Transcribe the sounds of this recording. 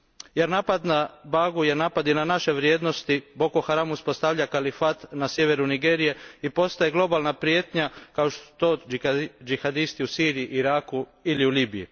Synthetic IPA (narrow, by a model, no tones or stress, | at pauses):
jeɾnaːpad̪nabaːɡujeɾnaːpad̪inanaʃe̞ʋɾjeːd̪no̞st̪ibo̞koxaɾamuspo̞st̪aʋʎakalifat̪nasje̞ʋeɾuniɡe̞ːɾije̞ipo̞st̪ajeɡlˠo̞balˠnapɾjet̪ɲakaoʃt̪osu̥t̪oːd͡ʒixad̪ist̪iusiːɾijiʔiɾaːkuiliuliːbijḭ